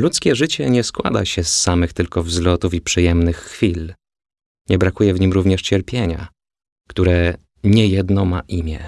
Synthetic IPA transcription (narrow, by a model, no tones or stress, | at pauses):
lut̪skʲɛʐɘt͡ɕɛɲɛskwa̰d̪a̰ɕɛsːamɘxt̪ɘlkɔvzlɔt̪ufipʂɘjɛmnɘxːfʲil | ɲɛbɾakujɛvɲimɾuvɲɛʂt͡ɕɛɾpʲjeɲa̰ | kt̪uɾɛ | ɲɛjɛd̪nɔma̰ʔimʲjɛ̰